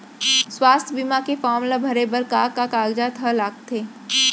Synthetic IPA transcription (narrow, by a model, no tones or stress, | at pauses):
swaːst̪ʰbimakefɔːmlabʱɐɾebəɾkaːkakaːɡd͡ʒat̪ʰəlaːk̚t̪ʰeː